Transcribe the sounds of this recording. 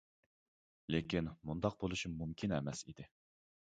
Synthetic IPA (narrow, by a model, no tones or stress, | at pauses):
lekʲʰinmund̪ɑq̚bolˠuʃimmumkʲʰinɛmɛsḭd̪ɪ